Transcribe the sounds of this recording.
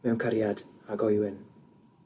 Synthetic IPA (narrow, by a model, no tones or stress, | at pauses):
mɛwnkʰaɾjadaɡɔjwɪn